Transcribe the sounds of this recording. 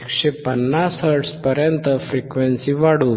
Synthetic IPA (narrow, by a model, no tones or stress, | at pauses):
kɕepənːashəɾʈspəɾjənt̪əfɾikʋensiʋaɽu